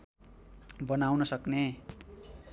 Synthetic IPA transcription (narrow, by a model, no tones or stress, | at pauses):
bʌnawnʌsʌkne